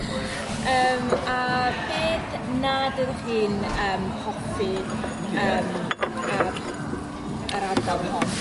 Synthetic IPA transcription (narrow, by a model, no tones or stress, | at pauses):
əːmab̥eːdnadərrɨːnəːmhɔfɨ | əːma | əɾadawhɔn